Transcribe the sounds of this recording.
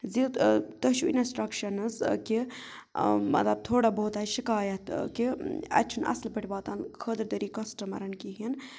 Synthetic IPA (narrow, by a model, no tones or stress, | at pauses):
zit̪əʃuḭnɐsʈɾɐkʃɐnɐzki | mɐ̰t̪lɐb̚t̪ʰoːɽabɐɦut̪aːʃikaːjɐt̪kiɐ̰t̪t͡ʃʰʃʰunʔɐ̰slbəʈʰʲibaːt̪ankʰəd̪əɾd̪əɾiːkɐsʈɐmɐ̰ɾɐnkiɦin